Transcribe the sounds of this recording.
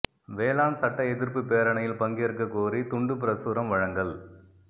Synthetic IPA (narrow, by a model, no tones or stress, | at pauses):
ʋeːlaːnsɐʈːɐɛðɪɾpɯpeːɾɐɳɐjɪlpɐŋɡeːɾkɐkoːɾit̪ʊɳɖɯp̬ɪɾɐsuːɾɐmʋɐɻɐŋɡɐɭ